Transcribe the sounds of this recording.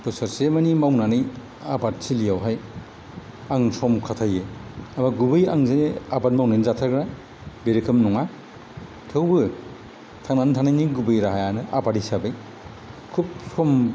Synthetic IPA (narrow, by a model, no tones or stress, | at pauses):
pɯsaɾsemanimawnanɯj | abat̚silijawɦaj | aŋsɔmkʰatʰajeamaɡubɯjaŋzeeabat̚mawnajnizatʰaɡɾa | beɾikʰɯmnɔŋa | tʰɯwbɯ | tʰaŋnanɯtʰaŋnajniɡubɯjɾaɦajanɯa̰badisabɯj | kʰup̚sɔm